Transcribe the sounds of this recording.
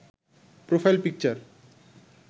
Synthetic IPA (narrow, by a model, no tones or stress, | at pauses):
pɾofʰajlpik̚t͡ɕaɾ